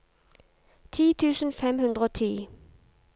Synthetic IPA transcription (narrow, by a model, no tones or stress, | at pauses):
t̪ʰiːt̪ʰʉːsn̩fɛmhʉnd̪ʁəoːt̪ʰiː